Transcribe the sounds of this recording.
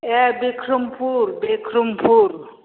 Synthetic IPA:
ebikʰɾumpuɾbikʰɾumpuɾ

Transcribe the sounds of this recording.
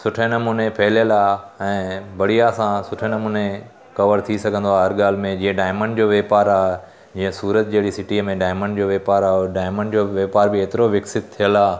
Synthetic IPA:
sʊʈʰenɐmuːnepʰɛɦljəlaːɛ̃ːbɐɽijasãsʊʈʰenɐmuːne | kɐʋəɾt̪ʰisɐɡʱə̃nd̪oaːɦɐɾɠaːl̤ɪmẽd͡ʑĩːə̃ɖaːɪməɳɖd͡ʑoːʋeːpaːɾaːe | d͡ʑĩːə̃suːɾət̪̚d͡ʑeɦɪɽisɪʈimẽɖaːɪməɳɖd͡ʑoːʋeːpaːɾaːɖaːɪməɳɖd͡ʑoːʋeːpaːɾbɪeːt̪ɪɾoʋɪksɪt̪̚t̪ʰːijəlaː

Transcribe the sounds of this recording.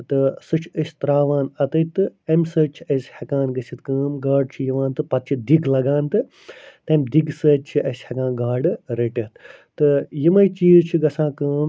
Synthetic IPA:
t̪ɨsɨt͡ʃʰɐsʲt̪ɾaːʋãːnɐt̪ɐjt̪ɨɐmʲsəːt͡ʃʰiɐsʲhɐkãːnɡɐsʲit̪kəːmɡaːɖt͡ʃʰijiʋãːnt̪ɨpɐt̪̚t͡ʃʰid̪iɡlɐɡãːnt̪ɨ | t̪ɐmd̪iɡsəːt͡ʃʰiʔɐsʲhɐkãːnɡaːɖɨɾeʈɐt̪ː | ɨjimɐjt͡ʃiːzt͡ʃʰiɡɐsãːkəːm

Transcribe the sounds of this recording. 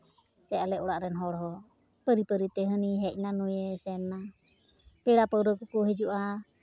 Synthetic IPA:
sɛalɛuɽaʔɾɛnɦɔɾɔɦɔ | pəɾipəɾit̪ɛɦəniɦɛʔnanujɛsɛna | pɛɾapəwɾəkukuɦɛd͡ʒuʔa

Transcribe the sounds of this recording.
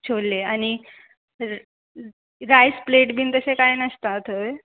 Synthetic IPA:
t͡ɕʰolːeañi | ɾajspleʈbʱiːnt̪əsekajnəst̪at̪ʰə

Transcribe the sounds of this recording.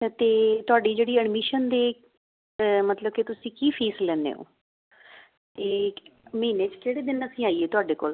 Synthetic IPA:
t̪eːt̪ʊaːɖiːd͡ʒeːɽiːəɖmɪʃənd̪eː | mət̪ləb̚ket̪ʊsĩːkiːpʰiːslɛːnḛːo̰ː | t̪eːməiːneːt͡ʃkeːɽeːd̪ɪnəsĩːaːiːeːt̪ʊaːɖeːko̰ːl

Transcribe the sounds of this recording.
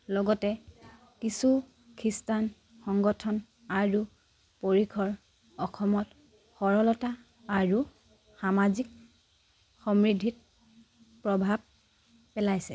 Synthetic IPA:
lɔɡɔtɛ | kisu | kʰistan | xɔŋɡɔtʰɔn | aɹu | poɹikʰɔɹ | ɔxʰɔmɔt | xɔɹɔlɔta | aɹu | xamazik | xɔmɹidʱit̚ | pɹɔbʱab̚ | pɛlajsɛ

